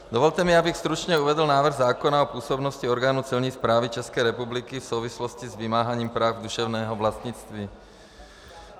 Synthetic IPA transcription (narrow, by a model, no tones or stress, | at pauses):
d̪ovɔlt̪ɛmiabixst̪ɾut͡ʃɲɛuvɛd̪l̩naːvr̩ɣzaːkonaopuːsobnoscioɾɡaːnut͡silɲiːspɾaːvit͡ʃɛskɛːɾɛpublikifsowvisloscizvimaːɦaɲiːmpɾaːvd̪uʃɛvnɛːɦɔvlast̪ɲit͡st̪ʋiː